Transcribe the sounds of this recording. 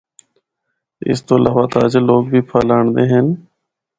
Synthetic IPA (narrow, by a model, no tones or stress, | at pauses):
ɪ̰st̪oːəlaːʋaːt̪aəd͡ʒloːɡbʱiːpʰaːlaːɳd̪eːɦɛn